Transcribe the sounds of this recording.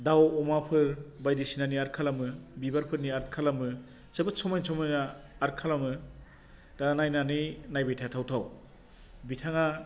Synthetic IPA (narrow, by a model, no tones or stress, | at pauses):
dawɔmapʰɯɾbajdisinaniaɾkʰalamɯbibaɾpʰɯɾniaɾkʰalamɯ | sebɯsɔmajnsɔmajnaːɾkʰalamɯ | ɾanajnaninajbajtʰatʰawtʰaw | bitʰaŋa